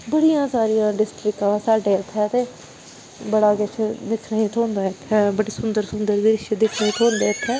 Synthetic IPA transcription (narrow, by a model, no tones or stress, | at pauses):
bəɽijãːsaːɾijãːɖɪsʈɾɪkãːsaːɖeːɪt̪ʰːɛːt̪eː | bəɽaːkɛt͡ʃʰːd̪ɪkʰnəĩːt̪ʰoːnd̪aːɪt̪ʰːɛːbəɽiːsʊnd̪əɾsʊnd̪əɾd̪iːɾɪʃeːd̪ɪkʰnəĩːt̪ʰoːnd̪eːɪt̪ʰːɛː